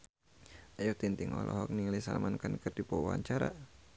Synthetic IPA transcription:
ajuht̪int̪iŋɔ̰lʔɔ̰ɦɔk̚nilisa̰lmankənkərdipɔwa̰ɲt͡ʃaɾa̰

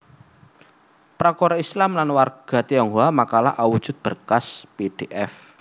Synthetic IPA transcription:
pɾakɔɾaislamlanwarɡ̥a̤t̪ijaŋuamakala̰ʔawud̥ʒ̥ʊ̤t̪̚b̥ərkaspeɖ̥eʔɛf

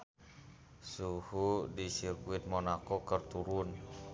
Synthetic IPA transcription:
suhudisirkuit̪̚mɔnakɔkərt̪uɾun

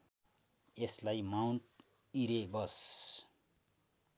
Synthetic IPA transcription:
eslajmawnʈ | iɾebʌs

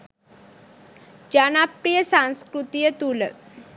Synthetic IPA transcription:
d͡ʑanapɾijəsãñskɾut̪ijət̪ul

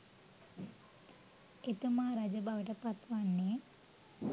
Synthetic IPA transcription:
et̪umaːɾad͡ʒɐbaʋɐʈəpat̪ʋanːe

